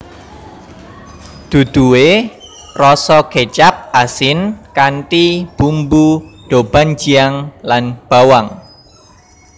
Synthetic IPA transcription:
d̪̥ṳd̪̥uwe | rɔsɔket͡ʃap̚ʔasɪnkanʈib̥umbuɖ̥ob̥a̤n̥d͡ʒ̥iaŋlanb̥awaŋ

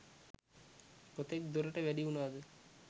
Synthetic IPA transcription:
kot̪ek̚d̪oɾəʈəʋæɖiunaːd̪ə

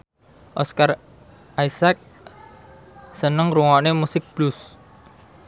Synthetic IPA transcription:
ʔɔskar | ʔaisak̚ | sənəŋruŋɔnemusɪk̚b̥lʊs

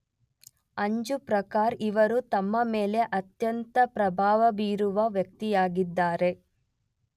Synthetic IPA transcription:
ɐɲd͡ʒupɾɐkaːɾiʋɐɾut̪ɐmːɐmeːle̞ʔɐt̪jɐnt̪ɐpɾɐbʱaːʋɐbiːɾuʋɐʋjɐk̚t̪ijaːɡid̪ːaːɾe̞

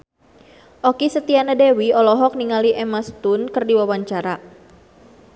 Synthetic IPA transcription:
ʔɔkisət̪ianadewiɔlɔɦɔk̚niŋaliʔɛmast̪unkərdiwawaɲt͡ʃaɾa

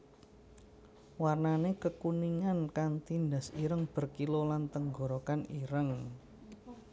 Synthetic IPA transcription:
warnanekəkuniŋankaŋt̪ind̪asiɾəŋb̥ə̤rkilolant̪əŋɡoɾokaniɾəŋ

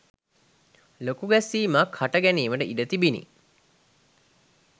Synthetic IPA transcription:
lokuɡæsiːmakhaʈəɡæniːʋəʈəʔiɖət̪ibinḭ

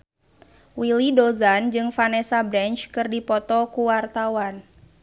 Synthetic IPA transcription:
wilidɔzand͡ʒɨŋfanɛsabɾɛnt͡ʃkɨrdipɔt̪ɔkuwart̪awan

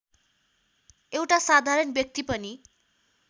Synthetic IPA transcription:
ewʈasad̪ʱaɾʌnbjʌk̚t̪ipʌni

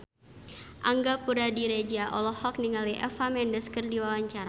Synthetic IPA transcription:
ʔaŋɡapuɾadiɾed͡ʒiaʔɔlɔhɔk̚niŋaliʔɛfamɛndəskərdiwawaɲt͡ʃaɾa

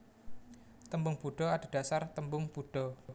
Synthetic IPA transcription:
t̪əmbʊŋb̥uɖ̥ɔad̥a̤ɖ̥a̤sart̪əmbʊŋb̥uɖ̥ɔ

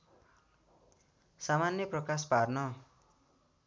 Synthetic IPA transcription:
samanjʌprʌkasparnʌ

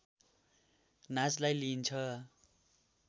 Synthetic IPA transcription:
nad͡zlajlint͡sʰʌ

